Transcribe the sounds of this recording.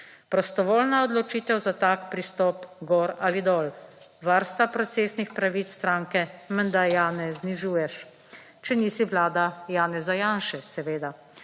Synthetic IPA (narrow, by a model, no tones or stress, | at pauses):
pɾɔst̪ɔʋoːlnaɔd̪lɔt͡ʃiːt̪ɛwzat̪aːkpɾist̪ɔːpɡɔːɾalid̪ɔːlʋaɾst̪apɾɔt̪seːsnixpɾaʋit̪sst̪ɾaːŋkɛmənd̪ajaːnɛzniʒuːjɛʃ | t͡ʃɛniːsiʋlaːd̪ajaːnɛzajaːnʃɛsɛʋeːd̪a